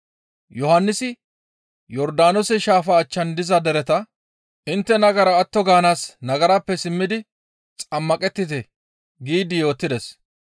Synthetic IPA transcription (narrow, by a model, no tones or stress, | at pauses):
jɔhɐnːɪsɪ | jɔɾd̪aːnɔsɛʃaːfɐːt͡ʃːɐnd̪ɪzɐd̪ɛɾɛt̪ɐ | ʔɪnt̪ːɛnɐɡɐɾɐːt̪ːɔɡaːnaːsnɐɡɐɾaːpːɛsɪmːɪd̪ɪ | t͡sʼɐmːɐkʼɛt̪ːɪt̪ɛ | ɡiːd̪ɪjo̞ːt̪ːɪd̪ɛs